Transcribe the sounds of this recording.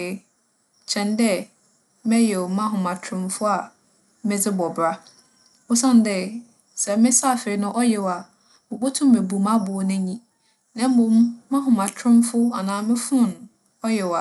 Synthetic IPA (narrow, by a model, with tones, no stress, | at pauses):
t͡ɕʰɛ̃˨ndɛ˦ | mɛ̃˦jɛ˨ɔ˨mã˦ɦʊ̃˨mã˨tʰɾʊ̃˦mfʊ˦a˨ | mɪ̃˦d͡zɪ˦bɔ˨bɾa˦ | o˦sã˦n˨dɛ˦˨ | sɛ˨mɪ̃˦sa˦˨fɪ˨ɪ˨nʊ̃˦ʔɔ˦jɛ˨wa˨ | mʊ̃˨bo˦tʰʊ̃˦mːe˨bu˨mã˦bʊ˨ɔ˨nɪ̃˦ɲĩ˦ | nã˦m̩˦mʊ̃˨mːã˦ɦʊ̃˨mã˨tʰɾʊ̃˦mfʊ˦a˨nãː˦mɪ̃˦fʊ̃˦˨n˨ | ɔ˦jɛ˨wa˨